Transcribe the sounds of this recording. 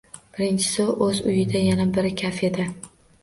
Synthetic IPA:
b̥ɪɾɪnt͡ʃʰɪ̥soʔɵzʊjɪd̪ajanabɪɾɪkʲʰafed̪ɪ

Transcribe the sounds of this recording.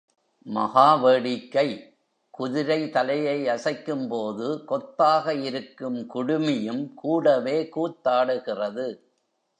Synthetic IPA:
mɐ̰ɣaːʋeːɽɪkːɐɪ | kʊðɪɾɐɪt̪ɐlɐjɐɪɐsɐɪkːɯmpoːðɯkɔt̪ːaːɣɐɪɾɯkːɯmkʊɽʊmɪjɯmkuːɽɐʋeːkuːʈ̪ːaːɽɯɣɪrɐðɯ

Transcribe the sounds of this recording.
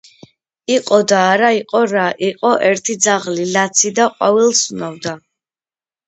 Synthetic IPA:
iqʼɔd̪aːɾaiqʼɔɾaʔiqʼɔʔɛɾt̪ʰid̪zaʁlilat̪sʰid̪aqʼwavilˠsunavd̪a

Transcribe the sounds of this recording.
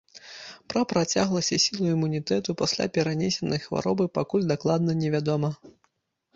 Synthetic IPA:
pɾɐpɾat͡sʲaɣlˠɐsʲɐsʲilˠuimunʲit̪ɛt̪upasʲlʲa̰pʲɛɾanʲɛsʲɛnɐjxva̰ɾɔbɨpakulʲd̪aklˠad̪̚nɐnʲɛvʲad̪ɔmɐ

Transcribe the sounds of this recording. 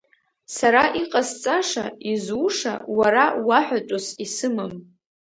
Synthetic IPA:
saɾaʔiqʼast͡sʼaʂaizuʂa̰waɾawaħʷᶣat͡ʃʷʼosisɨmɨm

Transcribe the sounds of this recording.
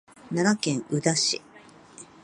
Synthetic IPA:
nanakẽ̞ɰ̃ɯ̟d̪aɕi

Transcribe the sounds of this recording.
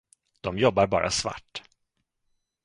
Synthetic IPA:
d̪̥ɔmjɔbːaɾbɑ̰ːɾa̰sva̰ʈː

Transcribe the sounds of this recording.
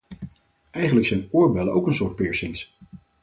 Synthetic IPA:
ʔɛjχənləksɛjnʊːɹbɛləʔowkənsʊːɹt̚pɪːɹsɪŋs

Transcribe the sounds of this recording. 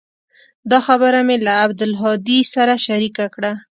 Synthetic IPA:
d̪ɑxabəɾamelaːbd̪ɪlɦɑd̪isaɾaʃaɾikakɽa

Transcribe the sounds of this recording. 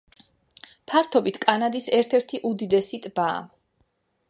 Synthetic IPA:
pʰaɾt̪ʰɔbit̪ʰkʼanad̪isɛɾt̪ʰɛɾt̪ʰiʔud̪id̪ɛsit̪ʼba̰ː

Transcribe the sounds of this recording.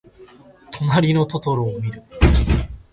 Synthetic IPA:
t̪ʰo̞naɾʲino̞t̪o̞t̪o̞ɾoːmʲiɾɯ̟

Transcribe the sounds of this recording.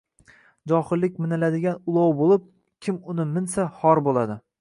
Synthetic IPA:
d͡ʒɒhɪlːɪk̚ʲmɪnɪlad̪ɪɡʲanʊlˠɒwbolˠɪp̚ | kʲʰɪmʊnɪmɪnsahɒɾbolˠad̪ɪ

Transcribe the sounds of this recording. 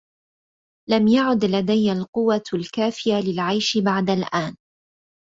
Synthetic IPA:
lamjaʕʊd̪lad̪ajːalqʊwːalkaːfɪjalɪlʕajʃbaʕd̪alʔaːn

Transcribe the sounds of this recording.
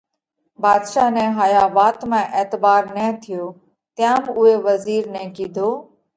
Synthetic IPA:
baːd̪ʃaːnɛ̃ːɦaːjaːʋaːt̪mɛ̃ːʔeːt̪ɪbaːɾnɛ̃ːt̪ʰɪjoː | t̪ɪjãːmʊɦeːʋəziːɾnɛ̃ːkiːd̪ʱoː

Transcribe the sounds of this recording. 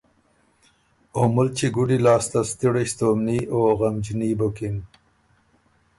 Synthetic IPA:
omʊlt͡ʃiɡuɖilɑːst̪ast̪iɽeɕt̪omnioɣamd͡ʒinibokin

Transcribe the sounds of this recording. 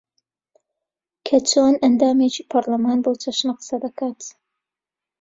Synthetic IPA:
kʰɐt͡ʃʰoːnɐnd̪aːmeːt͡ʃiːpʰɐɾlɐmaːnbot͡ʃʰɐʃnaqɨ̥sɐd̪ɐkʰaːt̪

